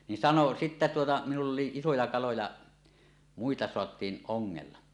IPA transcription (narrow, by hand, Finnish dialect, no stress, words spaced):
nin sɑno sitːæ tuotɑ minulː oli isojɑ kɑlojɑ muitɑ soɑtˑiːn ʔoŋːelːɑ